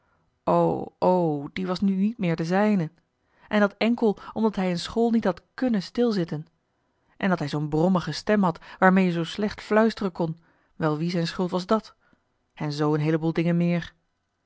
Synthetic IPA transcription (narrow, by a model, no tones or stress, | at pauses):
o̰wʔowdiʋɑsnynit̚mɪːɹdəzɛjnən | ʔɛndɑtɛŋkəlˠʔɔmdɑtɦɛjənsχoːlˠnitɦɑtkɵnənstɪlˠzɪtən | ʔɛndɑtɦɛjzownbrɔməχəstɛmɦɑtʋaːɹmejəzowslɛχtflœɥstərənkɔn | ʋɛlˠʋizɛjnsχɵlˠtʋɑzdɑt | hɛnzowənɦejləbuːlˠdɪŋənmɪːɹ